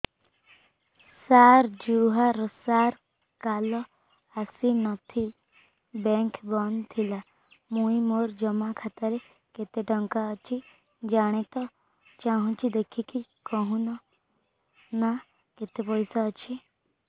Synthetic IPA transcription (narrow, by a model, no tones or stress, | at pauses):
saɾd͡ʒuɦaɾɔsaɾ | kalɔ | asinɔt̪ʰi | bɛŋkbɔnt̪ʰila | mũĩmoɾd͡ʒɔmakʰat̪əɾe | ket̪eʈɔŋkaɔt͡ʃʰi | d͡ʒaɽ̃et̪ɔ | t͡ʃaɦũt͡ʃʰid̪ekʰikikɔɦũnɔ | na | ket̪epɔjsaːt͡ʃʰi